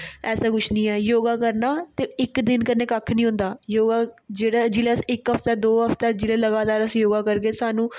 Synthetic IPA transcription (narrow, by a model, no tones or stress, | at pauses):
ɛːsaːkʊʃʰnĩːɛːjoːɡaːkəɾnaːt̪eːɪkd̪ɪnkəɾneːkəkʰːnĩːɦʊ̃nd̪aːjoːɡaːd͡ʒeːɽaːd͡ʒɪleːsɪkɦəpʰt̪ɛːd̪oːɦəpʰt̪ɛːd͡ʒɪleːləɡaːt̪aːɾəsjoːɡaːkəɾɡeːsaːnũː